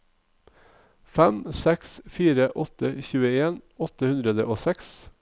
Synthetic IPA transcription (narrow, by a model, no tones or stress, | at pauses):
fæmsɛksfiːɾəʔɔt̪əçʉːəeːnɔt̪əhʉnd̪ɾəd̪əʔoːsɛks